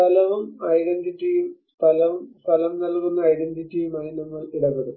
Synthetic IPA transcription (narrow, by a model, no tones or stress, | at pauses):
t̪ʰɐlɐʋumɐjɖenditːijumst̪ʰɐlɐʋumst̪ʰɐlɐmnɐlkunːɐɐjɖenditːijumaːðinɐŋːɐɭiɽɐpːeɽum